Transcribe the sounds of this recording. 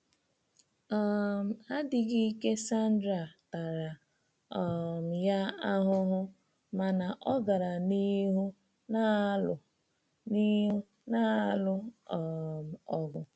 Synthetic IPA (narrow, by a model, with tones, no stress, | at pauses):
ɔ˨m̩˨a˦dɪ˨ɡi˦i˦ke˦sa˦n̩˦dɾa˨ta˨ɾa˨ | ɔ˨m̩˨ja˦a˦ɦʊ˦ɦʊ˦ | ma˨na˨ʔɔ˦ɡa˨ɾa˨ni˦ɦu˦ | na˦˨ | ni˦u˦ | na˦lʊ˦˨ | m̩˨ɔ˨ɡʊ˨